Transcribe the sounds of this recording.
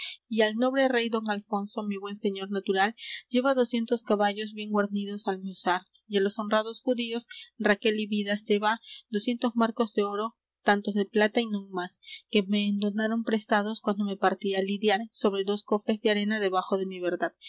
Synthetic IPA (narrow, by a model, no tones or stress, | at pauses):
ialno̞βɾe̞re̞jd̪o̞ŋalfo̞nso̞miβwe̞nse̞ɲo̞ɾnat̪uɾalɟ͡ʝe̞βaðo̞sje̞nt̪oskaβaʝo̞zβje̞ŋɡwaɾniðo̞salmosaɾ | jalo̞so̞nrað̞o̞sxuðio̞srake̞liβiðasʝe̞βad̪osje̞nt̪o̞zmaɾko̞zðe̞o̞ɾo̞ | t̪ant̪o̞zðe̞plat̪ainũŋmaske̞me̞ːnd̪o̞naɾo̞mpɾe̞st̪að̞o̞skwand̪o̞me̞paɾt̪ialiðjaɾso̞βɾe̞ðo̞sko̞fe̞zðeaɾe̞naðe̞βaxo̞ðe̞miβ̞e̞ɾðað̥